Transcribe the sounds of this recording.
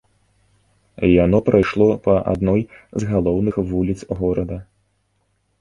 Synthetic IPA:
janɔpɾʔajʂlˠɔpɐʔa̰d̪nɔjzɣalˠɔwnɨxvulʲit̪sɣɔɾɐd̪ɐ

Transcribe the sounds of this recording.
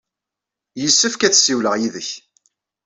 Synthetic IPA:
jəsːəfkæt͡sːsiwləʁjiðəç

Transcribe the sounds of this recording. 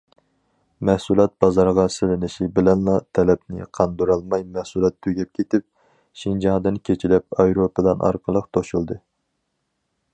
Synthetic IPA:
mɛhsulˠɑt̪̚bɑzɑɾʁɑsɪlɪnɪʃibɪlɛnlˠɑt̪ʰɛlɛp̚nɪ̰qʰɑnd̪uɾɑlˠmɑjmɛhsulˠɑt̪ʰːyɡʲɛp̚kʲʰet̪ɪp̚ | ʃind͡ʒɑŋd̪ɨnkʲʰet͡ʃʰilɛp̚ɑjɾopəd̪ɑnʔɑ̰ɾqʰəlˠəqt̪ʰoʃulˠd̪ɨ

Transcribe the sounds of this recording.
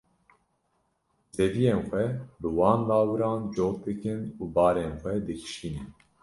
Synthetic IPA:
zɛvijeːnxʷɛbɨwɑːnlɑːwɨɾɑːnd͡ʒoːk̚d̪ɨkɨnuːbɑːɾeːnxʷɛd̪ɨkʰɨ̥ʃiːnɨn

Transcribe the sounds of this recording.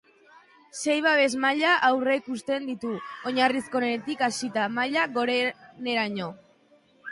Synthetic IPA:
se̞jβ̞aβe̞zmaʎaʔawre̞ikust̪e̞nd̪it̪uo̞ɲarisko̞neet̪ikasit̪amaʎaɣo̞ɾene̞ɾaɲo̞

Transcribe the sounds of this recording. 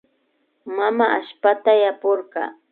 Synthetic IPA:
mamaaʃpat̪ajapoɾɢɑ̰ː

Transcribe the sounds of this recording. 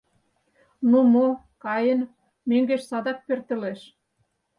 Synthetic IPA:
numo | kɑjə̆n | møŋɡeʃsɑd̪ɑk̚pørt̪ə̆leʃ

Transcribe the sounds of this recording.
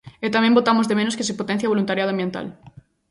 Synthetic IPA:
et̪amẽmbot̪amozðemẽnoskes̬epot̪ẽn̟θjaβ̞olunt̪aɾjaðoambjent̪a̰l

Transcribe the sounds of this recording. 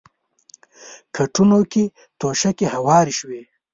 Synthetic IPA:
kʰaʈunoke | t̪oʃakehawɑːɾiʃwe

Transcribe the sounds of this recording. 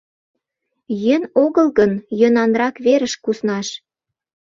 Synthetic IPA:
jønoɣəlɣənjø̆nɑnrɑkβeɾə̆ʃkusnɑʃ

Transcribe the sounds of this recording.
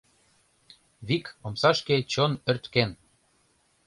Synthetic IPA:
βikomsɑʃket͡ɕonørt̪ken

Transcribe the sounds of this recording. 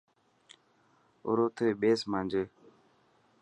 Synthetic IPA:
ʊ̰ɾoːt̪ʰeːɓeːsmãːnd͡ʒeː

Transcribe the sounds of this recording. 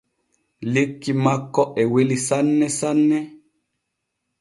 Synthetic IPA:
likːimakːɔʔɛwelisanːɛsanːɛ

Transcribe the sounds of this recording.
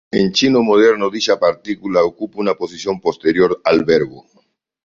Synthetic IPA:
ent͡ʃinomoð̞eɾnoðiʃapaɾt̪ikulaokupunaposisjompost̪eɾjoɾalβeɾβo

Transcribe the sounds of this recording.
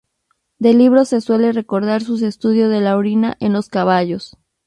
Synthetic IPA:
d̪e̞liβ̞ɾose̞swe̞le̞re̞ko̞ɾðaɾsus̬e̞st̪uð̞jo̞zðe̞lawɾina̰ʔenlo̞skaβaʝo̞s

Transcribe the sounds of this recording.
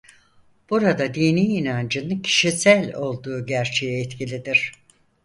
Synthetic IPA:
b̥uɾad̪ad̪iːniːnand͡ʒɯnɯcʰi̥ʃisælʲo̞lˠd̪uːɟæɾt͡ʃʰejɛːt̪cʰilʲid̪iɾ̥

